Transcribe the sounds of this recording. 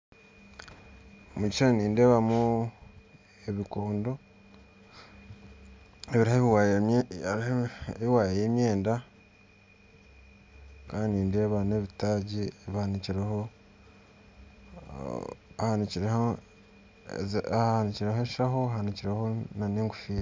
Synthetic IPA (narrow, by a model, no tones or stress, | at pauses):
omuɟit͡ʃɾaniːndeːβamu | e̞βikoːndo̞ | eβiɾaheβiwa | eβiwaːjejemje̞ːnda | kaːndiniːnde̞ːβaneβitaɟieβihaniciɾeho | ahaniiɾeho | haniciɾeɦeʃaho̞ahaniciɾehonaneːŋɡu̥fiː